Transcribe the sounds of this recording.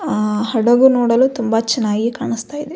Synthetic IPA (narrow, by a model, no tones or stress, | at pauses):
ɦɐɽɐɡunoːɽɐluːt̪umbɐt͡ʃɐnːaːɡikaːɳist̪aːjd̪e